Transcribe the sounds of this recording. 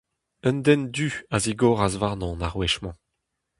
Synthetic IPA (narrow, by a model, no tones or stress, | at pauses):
ənd̪ɛnd̪yaziɡɔːʁazvaʁnɔ̃naʁwɛʃmɑ̃